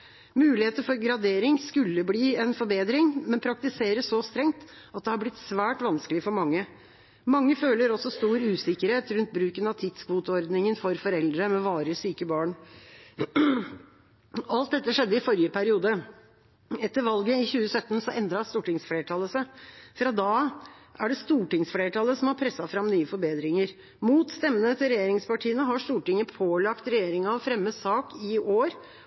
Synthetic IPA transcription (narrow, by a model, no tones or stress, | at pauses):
mʉːlɪheːt̪əfɔɾɡɾɑd̪eːɾɪŋskʉlːəbliːɛnfɔɾbeːd̪ɾɪŋmɛnpʰɾɑk̚t̪ɪseːɾəsɔst̪ɾɛŋt̪ | ɑt̪̚d̪ɛhɑɾblɪt̪sʋæːʈʋɑnskəlɪəfɔɾmɑŋːə | mɑŋːəføːləɾɔsɔst̪uːɾʉːsɪkːəɾheːt̪ɾʉnt̪̚bɾʉːkənɑʋt̪ʰɪd̪skʰʋuːt̪ɔɾd̪nɪŋənfɔɾfɔɾɛld̪ɾəmɛʋɑːɾəsyːkəbɑːɳ | ɑlt̪̚d̪ɛt̪ːəʂɛd̪ːəɪfɔɾjəpʰæɾɪuːd̪ə | ɛt̪ːəɾʋɑlɡəɪçʉːəsœt̪ːənsɔʔɛnd̪ɾɑst̪uːʈɪŋsfleːʈʰɑləsæfɾɑd̪ɑːʔæɖɛst̪uːʈɪŋsfɽeːʈʰɑlːəsɔmhɑɾpʰɾɛsːɑfɾɑmnyːəfɔɾbeːd̪ɾɪŋəɾ | muːt̪st̪ɛmːənət̪ʰɪɾɛjeːɾɪŋspɑʈʰiːənəɦɑʂt̪uːʈɪŋəpʰoːlɑkt̪ɾɛjeːɾɪŋɑʋfɾɛmːəsɑːkɪoːɾ